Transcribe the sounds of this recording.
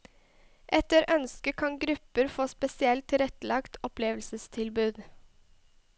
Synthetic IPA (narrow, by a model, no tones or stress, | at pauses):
ʔɛt̪əɾœnskəkʰɑŋɡɾʉpəɾfoːspɛsɪɛlt̪ʰːɪɾɛt̪əlɑkt̪ʰɔpleːʋəlsəst̪ʰɪlbʉːd̪